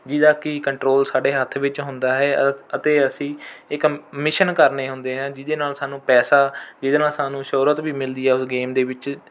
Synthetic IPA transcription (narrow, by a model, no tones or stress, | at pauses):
d͡ʒɪd̪aːkɪkəɳʈɾoːlsaːɖeːɦət̪ʰʋɪt͡ʃɦʊ̃nd̪aːɦɛːət̪eːəsĩːɪkmɪʃənkəɾneːɦʊ̃nd̪eːɦãːd͡ʒɪd̪eːnaːlsaːnũːpɛːsaːd͡ʒɪd̪enaːlsaːnũːʃoɾət̪biːmɪld̪iːɛːʊsɡeːmd̪eːʋɪt͡ʃ